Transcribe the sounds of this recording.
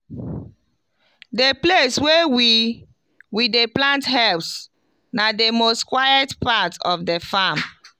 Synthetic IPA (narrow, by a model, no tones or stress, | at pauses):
depleswewi | wideplãntɦɛlps | nademostkwajɛtpatɔfdefam